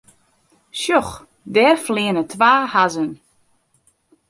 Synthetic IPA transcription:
ʃjɔx | dɛːrflɪənətʰʋaːhazən

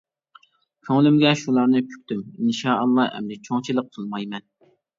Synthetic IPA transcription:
kʲʰøŋlymɡʲɛʃulˠɑnɨpʲʰy̥k̚ʲt̪yminʃɑːɑlˠːɑːʔɛ̰md̪ɛt͡ʃʰoŋt͡ʃʰilˠəq̚qʰəlˠmɑjmɛn

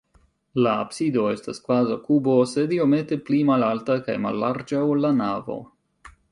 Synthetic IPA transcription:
la̰ːbsido̞e̞staskvazawkubo̞se̞dio̞me̞te̞plimalaltaka̰jma̰lːaɾd͡ʒawlːanavo̞̰

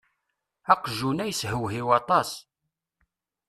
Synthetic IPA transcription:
ɑqʒunæjshəwɦiwɑt̪ˤɑs

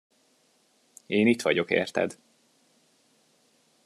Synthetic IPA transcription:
eːnit̪ʋɒɟo̞kḛːrt̪ɛ̰d̪

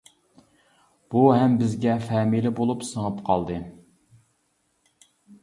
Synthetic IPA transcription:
b̥uɦɛmbɪzɡʲɛfɛmilɪbolˠupsəŋəpqʰɑlˠd̪ɨ

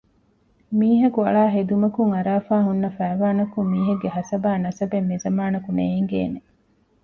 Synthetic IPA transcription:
miːɦɐkuɐ̰ɭaːɦed̪umɐkuŋɐɾaːfaːɦunːɐfæːʋaːnɐkummːiːɦɐɡːeɦɐsɐbaːnɐsɐbemːizɐmaːnɐkuneiŋɡḛːne

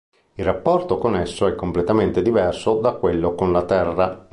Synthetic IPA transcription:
ilrapːɔrt̪okonesːoɛkːomplet̪ament̪ed̪ivɛrsod̪akːwelːokonlat̪ɛrːa

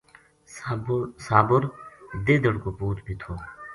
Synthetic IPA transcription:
saːbʊɾd̪eːd̪əɽkopuːt̪bʱit̪ʰoː

